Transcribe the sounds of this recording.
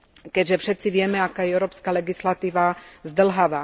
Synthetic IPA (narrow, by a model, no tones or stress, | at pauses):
kɛɟʒɛfʃɛt̪t͡siʋɪɛmɛakaːjɛɛʊɾɔːpskalɛɡislat̪iːʋazd̪l̩ɦaʋaː